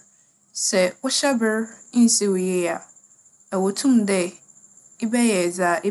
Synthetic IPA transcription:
sɛ˨wʊ˦ɕɛ˦bɪ˦ɾn̩˦si˦wʊ˨jɛ˦a˨ | ɛ˨wo˨tʰũ˦mdɛ˦ | ɪ˦bɛ˦jɛ˨d͡zaː˨˦˨ʔɪ˦

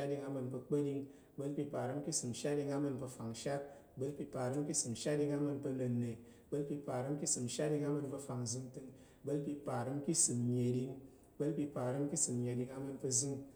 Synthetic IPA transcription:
a˦t̚di˧ŋa˧mɨ˧npə˧k͡pe˦di˧ŋ | bə˦lpʲi˧pa˨ɾɨ˦mki˦sɨ˨mʃa˦t̚di˧ŋa˧mɨ˧npə˧fa˨ŋʃa˦t̚bə˦lpʲi˧pa˨ɾɨ˦mki˦sɨ˨mʃa˦t̚di˧ŋa˧mɨ˧npə˧no˨nːe˨ | bə˦lpʲi˧pa˨ɾɨ˦mki˦sɨ˨mʃa˦t̚di˧ŋa˧mɨ˧npɐ˧fa˨ŋzɨ˧ŋtɨ˧ŋ | bə˦lpi˧pa˨ɾɨ˦mki˦sɨ˨mɲe˨di˧ŋ | bə˦lpʲi˧pa˨ɾɨ˦mki˦sɨ˨m˨ɲʲe˨di˧ŋa˧mɨ˧npə˧zɨ˧ŋ

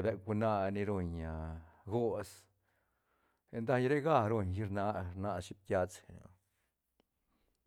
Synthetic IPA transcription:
be˧k̚u˧na˦˧ni˧ɾo˧ɲa˨ɡo˦s | e˧nd̪a˦˧ɲɾe˦ɡa˧˨ɾo˧ɲji˧ɾna˦ɾna˧ʃi˦p̚t̪ʲja˧t͡se˨a̰˨

